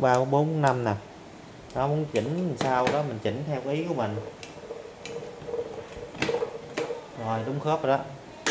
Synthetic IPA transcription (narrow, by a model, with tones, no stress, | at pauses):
ɓaː˧m˧˦ɓo˨˦nɓu˨˦na˧mna˨˩ | nɔ˨˦mu˨˦nt͡ɕḭ̈˧˩ŋ̟˨saː˧wɗɔ˨˦mï˨˩ŋ̟t͡ɕi˨˩˦ŋ̟t̪ʰɛ˧wʔi˨˦ku˧˩əmï˨˩ŋ̟ | zo˨˩jɗʊ˨˦wŋ͡mxəː˦˥p̚ɗɔ˨˦